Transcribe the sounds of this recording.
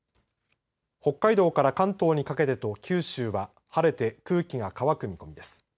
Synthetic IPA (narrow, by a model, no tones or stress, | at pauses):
ho̞kːaid̪o̞ːkaɾakãnt̪o̞ːɲ̟ikake̞t̪e̞t̪o̞kʲʰɨːɕɨːβa | haɾe̞t̪e̞kɯ̟ːkʲiɡakaβakɯ̟mʲiko̞mid̪e̞sɨ̥